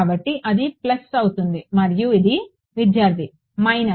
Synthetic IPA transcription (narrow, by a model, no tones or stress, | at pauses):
bɐʈːiʔɐd̪iplɐsɐwut̪und̪imɐɾijuid̪i | ʋid̪jaːɾd̪ʱi | mɐjnɐ